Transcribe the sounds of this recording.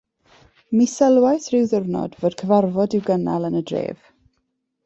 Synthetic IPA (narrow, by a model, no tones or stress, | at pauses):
misəlˠwajθrɪwðʊrnɔ̰dvoːd̥kʰəvarvɔdɪwɡəna̰lˠənədrḛːv̥